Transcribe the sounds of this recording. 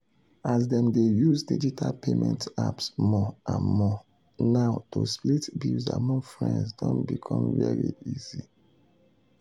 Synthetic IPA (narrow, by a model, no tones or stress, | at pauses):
azdɛ̃mdejuzdid͡ʒitʰalpʰemʔɛ̃ntapsmɔãnmɔ | naʊtosplitbilzamɔ̃ŋfɹɛ̰̃nsdɔ̃nbikʰɔ̃mvɛɹiizi